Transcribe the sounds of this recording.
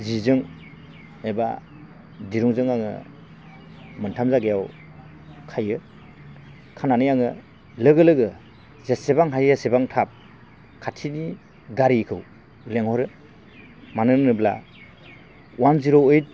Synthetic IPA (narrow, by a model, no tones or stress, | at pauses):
zizɯŋ | eba̰ | diɾɔŋzɯŋaŋɯ̰ | mɯntʰamzaɡejaw | kʰajɯ | kʰananɯjaŋɯ | lɯɡɯlɯɡɯ | zesebaŋɦajjasebaŋtʰap̚ | kʰatʰini | ɡaɾikʰɯw | leŋhɔɾɯ | manɯnnɯbla̰ | uamziɾɔwɯjt̚